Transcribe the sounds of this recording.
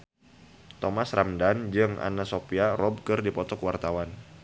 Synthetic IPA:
t̪ɔmasramdand͡ʒɨŋʔa̰nasopiarɔb̚kɨrdipɔt̪ɔkwart̪awan

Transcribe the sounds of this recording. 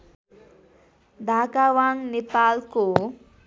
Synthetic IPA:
d̪akawaŋnipaːlko

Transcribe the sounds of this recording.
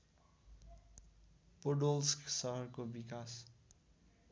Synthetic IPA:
poɖolsksʌɦʌɾkobikas

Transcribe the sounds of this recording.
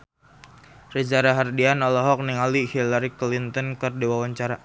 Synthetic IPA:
rid͡ʒaɾaɦardianɔlɔɦɔk̚niŋalihilaɾiklint̪ɔnkərdiwawaɲt͡ʃaɾa

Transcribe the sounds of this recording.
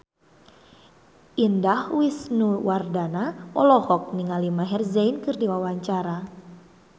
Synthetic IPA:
ʔindahwisnuwardanaɔ̰lɔhɔk̚niŋalimaɦɛrzainkɨrdiwawaɲt͡ʃaɾa

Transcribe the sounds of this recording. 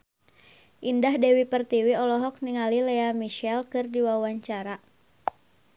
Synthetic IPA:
ʔindahdɛwipərt̪iwiɔlɔɦɔk̚niŋalilɛamiʃɛlkɨrdiwawaɲt͡ʃaɾa

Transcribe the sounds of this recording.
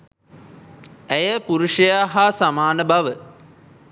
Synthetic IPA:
æjəpuɾuʂəjaːɦasamaːnəbaʋə

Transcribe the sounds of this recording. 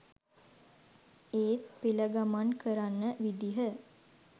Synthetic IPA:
eːt̪̚piləɡamankəɾanːəʋid̪iɦə

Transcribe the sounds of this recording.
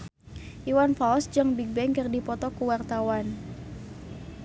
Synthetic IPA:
ʔiwanfawsd͡ʒəŋbiɡ̚bɛŋkərdipɔt̪ɔkuwart̪awan

